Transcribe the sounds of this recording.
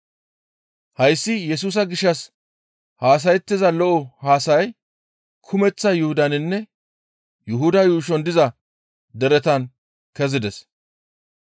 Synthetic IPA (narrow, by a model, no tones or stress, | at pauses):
hɐjsːɪjɛs̬uːs̬ɐɡɪʃːɐs | haːs̬ɐjɛt̪ːɪzɐlɔʔɔhaːsɐj | kʰʊmɛt͡sːɐjʊhʊd̪ɐnɪnːɛ | jʊɦʊd̪ɐjuːʃ̬ɔnd̪ɪzɐ | d̪ɛɾɛt̪ɐn | kɛzɪd̪ɛs